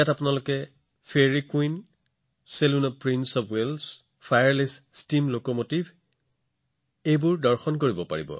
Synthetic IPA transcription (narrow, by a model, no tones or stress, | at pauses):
jatapʊnalokɛ | pʰeɹikuin | selunɔpɹinsɔbwels | pʰajaɹlis | stimlokɔmotibʱ | ejbʊɹdɔɹxɔnkoɹibɔpa̰ɹibɔ̰